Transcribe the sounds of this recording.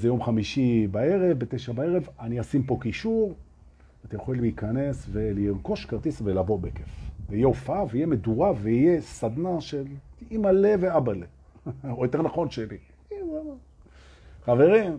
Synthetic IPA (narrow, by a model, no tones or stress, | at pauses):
zejo̞mχamiʃibae̞ʁevbet̪eʃabae̞ʁevaniasimpo̞kiʃuʁ | at̪ajeχolleikane̞sve̞leiʁko̞ʃkaʁt̪isvelavo̞bekefveijeofaveijemed̪uʁaveijesad̪naʃelimaleveabale | ojo̞t̪eʁnaχo̞nʃeli | iaa | χave̞ʁim